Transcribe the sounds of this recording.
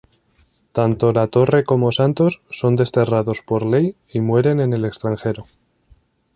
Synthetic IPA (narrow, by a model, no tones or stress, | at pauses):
t̪ant̪o̞lat̪o̞re̞ko̞mo̞sant̪o̞sːo̞nd̪e̞st̪e̞raðo̞spo̞ɾle̞j | imwe̞ɾe̞ne̞ne̞le̞kst̪ɾaŋxe̞ɾo